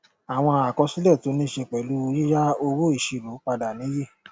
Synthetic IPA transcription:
a˨w̃ɔ̃˧a˨kɔ˧si˦lɛ˦˨to˨˦nĩ˦ʃe˧k͡pɛ˨lu˨˦˧ji˦ja˦o˧wo˦i˦˨ʃi˧˨lo˨˦k͡pa˧da˨nĩ˨˦je˦˨

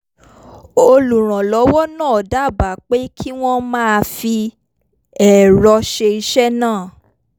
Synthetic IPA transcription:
o˧lu˨ɾ̃ã˨lɔ˨˦wɔ˦nãː˦˨da˨˦˨ba˨k͡pe˦kʰi˦w̃ɔ̃˦mãː˦˧fi˧ | ɛ˨ɾɔ˧ʃe˧i˧ʃɛ˦nãː˦˨

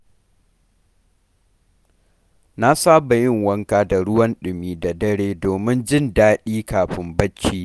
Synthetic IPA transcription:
na˦saː˦ba˨jɪ˦ŋwɐ˦ŋkaː˦da˨ɽʊ˦wɐ˦nɗɪ˨mːiː˦da˨dɐ˦ɽeː˦doː˨mɪ˦nd͡ʒɪ˦ndaː˦ɗiː˦kaː˨ɸɪ˦mbɐ˦t͡ʃːiː˦

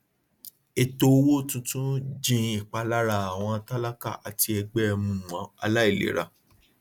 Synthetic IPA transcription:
e˨to˧wo˦tũ˧tũ˦d͡ʒĩ˧i˦˨k͡pa˧la˦ɾa˨a˨w̃ɔ̃˧a˧ta˦la˦ka̰˦˨ʔa˨ti˧ɛ˧ɡ͡bɛ˦˧mũ˨˧˨m˨ã˨˦a̰˧la˦e˦˨lḛ˨ɾa̰˨

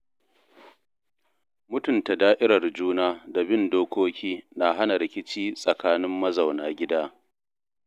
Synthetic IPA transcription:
mʊ˦tʊ˨nta˨daː˦ʔɪ˦ɾɐ˨rd͡ʒuː˦naː˦da˨bɪ˦ndoː˦kʷoː˦kʲiː˦na˨ɦa˦na˨ɾɪ˨kʲɪ˦t͡ʃiː˦sʼɐ˨kaː˦nɪ˦mːɐ˦za˨wnaː˨ɡʲɪ˦daː˦

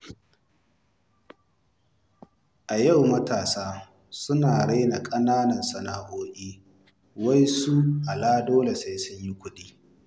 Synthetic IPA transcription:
ʔa˨jɐ˦˨wmɐ˦taː˨saː˦ | sʊ˦naː˨ɽe˦jna˨kʼɐ˦naː˦nɐ˨nsɐ˨naː˨ʔoː˦ʔʲʼiː˦ | wɐ˦jsu˦ʔa˨laː˦doː˦le˨sa˦jsʊ˦ɲji˦kʷʊ˦ɗiː˦

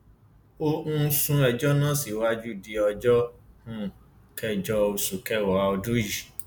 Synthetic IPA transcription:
o˧ũ˦sũ˧ɛ˧˨d͡ʒɔ˦nã˦˨si˨wa˦d͡ʒu˦˨di˨˧ɔ˧d͡ʒɔ˦hũ˦ | kɛ˦˨d͡ʒɔ˧o˧su˨kɛ˦˨wɔ˨˧ɔ˧dũ˦ji˨

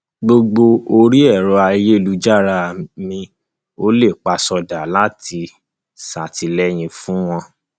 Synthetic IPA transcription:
ɡ͡bo˧ɡ͡bo˧o˧ɾi˦ɛ˦˨ɾɔ˧a˧je˦˨lu˦d͡ʒa˦˨ɾa˧˨mĩ˧ | o˦le˦˨k͡pa˧sɔ˧da˨la˦tʰi˧ | sa˨ti˧lɛ˦j̃ĩ˧fũ˦w̃ɔ̃˧

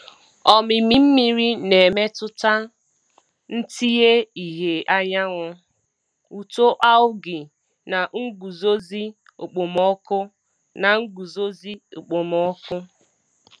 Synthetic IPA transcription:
ɔ˨mɪ˨mi˨m̩˦mi˨ɾi˦ne˨me˦tʊ˦ta˦ | n̩˦ti˦je˦i˨ɦe˨a˦ɲa˦ŋʊ˦ | u˨to˦ʔa˦ʊ˦ɡɪ˨ | na˨ŋ̩˦ɡu˨zo˦zi˦ | o˨k͡po˨mɔ˦kʊ˦ | na˨ŋ̩˦ɡu˨zo˦zi˦o˨k͡po˨mɔ˦kʊ˦

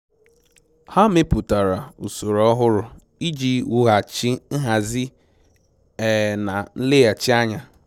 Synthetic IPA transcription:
ha˦me˦pu˨ta˨ɾa˨u˨so˨ɾɔ˦ɦʊ˦ɾʊ˨ | i˦d͡ʒi˦wu˦ɦa˨t͡ʃi˦n̩˦ɦa˨zi˦ | ɛ˨na˨n̩˦lɪ˦ja˨t͡ʃi˦a˦ɲa˨

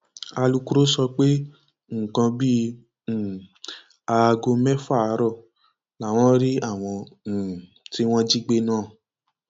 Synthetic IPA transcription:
a˧lu˧ku˦ɾo˦sɔ˧k͡pe˦ | ŋ̩˨kã˧bĩ˦˨ | a˧ɡo˧mɛ̃˦fa˦˨˦ɾɔ˦˨ | la˨w̃ɔ̃˦ɾi˦a˦˨w̃ɔ̃˧˨ | ti˦w̃ɔ̃˦d͡ʒi˦ɡ͡be˦nãː˦˨

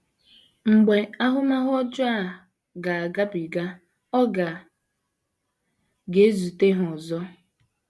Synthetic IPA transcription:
ŋ͡m̩˨ɡ͡be˨a˦ɦʊ˦ma˦ɦɔ˦d͡ʒʊ˦a˦˨ | ɡa˨a˨ɡa˦bi˨ɡa˦ | ɔ˦ɡa˨ | ɡe˨˦zu˨te˦ɦɔ˨zɔ˦

